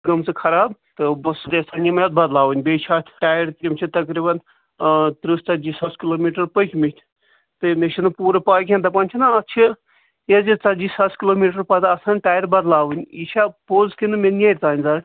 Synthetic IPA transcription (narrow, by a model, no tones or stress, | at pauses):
ɡɐmt͡sɨkʰɐɾaːbt̪ɨbɐsd̪esɐnʲimɐɐd̪̚bɐd̪laːʋɨnʲbeːt͡ʃʰaːt̪ʲʰʈaːjɐɾt̪ɾʲimʲt͡ʃʰit̪ɐkɾiːbɐn | t̪ɾust͡sɐd͡ʒiːsɐskiloːmiːʈɐɾpəkʲʰmit̪ʰʲ | t̪ɨmeʃʰinɨpuːɾɐpaːjkʰʲẽnt̪ɐpɐnʲt͡ʃʰinaɐt͡ʃʰi | ezit͡sɐd͡ʒisɐskiloːmiːʈ̬ɐɾpɐt̪ɨɐsaːnʲʈaːjɐɾbɐd̪laːʋɨnʲiːʃʰapoːzkinɨmʲenʲeːɾʲt̪aːnʲzaː